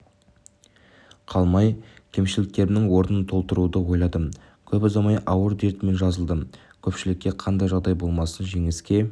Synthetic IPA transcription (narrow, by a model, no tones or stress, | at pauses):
qʰɑlˠmɑjkʲʰe̞mʃɪlɪk̚t̪e̞ɾɪmnɪŋwo̞ɾnənt̪ʰo̞lˠt̪əɾud̪əwo̞jlˠɑd̪əm | kʲʰɵpɪzɑmɑjʔɑwəɾd̪e̞ɾt̪me̞nʒɑzəlˠd̪ə | kʲʰɵpʃɪlɪkʲːe̞qʰɑnd̪ɑjʒɑʁd̪ɑjbo̞lˠmɑsənʒe̞ŋɪskʲe̞